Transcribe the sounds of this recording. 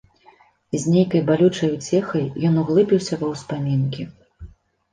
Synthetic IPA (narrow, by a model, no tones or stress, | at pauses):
zʲnʲejkɐjbalʲut͡ʂɐjut͡sʲɛxɐjːɔnuɣlˠɨbʲiwsʲɐvɐwspamʲinkʲi